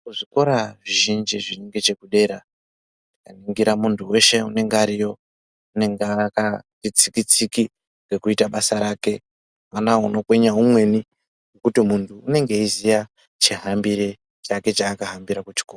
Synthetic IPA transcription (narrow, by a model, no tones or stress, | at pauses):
kuʐiko̞ɾaʐiʒind͡ʒiʐineŋɡe̞t͡ʃe̞kuɗe̞ɾa | nikaniŋɡiɾamuntʰuwe̞ʃe̞une̞ŋɡeaɾijo̞ | une̞ŋɡeakanit͡sikit͡siki | ŋɡe̞kuitaɓasaɾaːke̞ | manauno̞kweɲaɦumwe̞ni | ŋŋɡe̞kutimuntʰuːne̞ŋɡe̞izija | t͡ʃiɦambiɾe | t͡ʃake̞t͡ʃaːkaɦambiɾakut͡ʃi̥koːra